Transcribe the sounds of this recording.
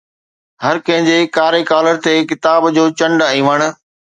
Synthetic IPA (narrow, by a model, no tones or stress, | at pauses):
ɦɐɾkɐ̃ɦɪ̃ɲd͡ʑekaːɾekaːləɾt̪ekɪt̪aːbd͡ʑoːt͡ɕɐ̃ɳɖaĩːʋəɽ̃ʊ̆